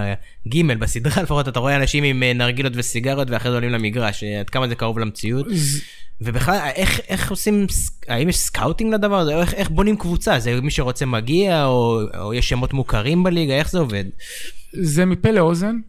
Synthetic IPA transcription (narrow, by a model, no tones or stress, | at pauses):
ɡime̞lbasid̪ʁalefaχo̞tataʁoeanaʃimimenaʁɡilotvesiɡaʁjotveaχʁezeolimlamiɡʁaʃad̪kamazekaʁovlamt͡siut̪ | ve̞biχlalʔeχe̞χo̞simsaimjeʃskawtiŋɡlad̪avaʁazeeχeχbonimkvut͡sazemiʃe̞ʁo̞t͡semaɡiaoo̰jeʃemot̪mukaʁimbeliɡae̞χzeo̞ve̞d̪ | zemipeleozen